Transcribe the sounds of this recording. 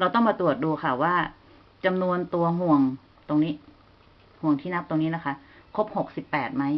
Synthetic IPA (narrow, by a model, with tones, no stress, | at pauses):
ɾa˧wt̪ɔ˥˩ŋmaː˧t̪ɾu˨˩ət̪̚duː˧kʰa˥˩waː˥˩ | t͡ɕa˧mnu˧ənt̪u˧ɐɦu˨˩əŋ | t̪o˧ŋniː˦˥ | hu˨˩əŋt̪ʰiː˥˩na˦˥p̚t̪o˧ŋniː˦˥la˦˥kʰa˦˥kʰo˦˥p̚ho˨˩k̚si˨˩pːɛː˨˩t̪̚ma˦˥j